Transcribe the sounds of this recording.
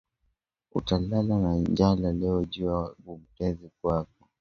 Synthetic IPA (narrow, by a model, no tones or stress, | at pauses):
ṵtalalanand͡ʒalalɛɔʄuaɡum̩kɛzikwak̚ɔ